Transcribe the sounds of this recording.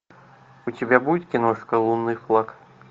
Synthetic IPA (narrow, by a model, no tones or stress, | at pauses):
ut͡sʲibʲabuɪt̪ʲkʲinɔʂkɐlˠunːɨjflˠak